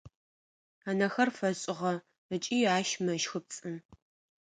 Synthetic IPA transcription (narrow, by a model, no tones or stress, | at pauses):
aːnɐxɐrfɐɕʼɪʁɐ | ət͡ʃʼiːaːʃmɐʃxɨp̚t͡sʼɨn